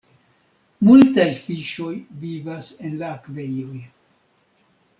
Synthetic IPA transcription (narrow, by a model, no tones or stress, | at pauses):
multajfiʃo̞jvivase̞nlaːkve̞jo̞j